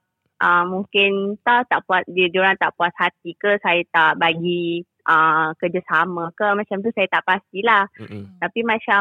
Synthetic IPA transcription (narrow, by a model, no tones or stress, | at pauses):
ʔəmːuŋkɪnt̪aht̪aʔpuasddioɾaŋt̪aʔpuashat̪̚ikəsajat̪aʔbaɡi | ʔəkərd͡ʒasamə̃kəmãt͡ʃamt̪̬usajat̪aʔpast̪ilaht̪apimãt͡ʃa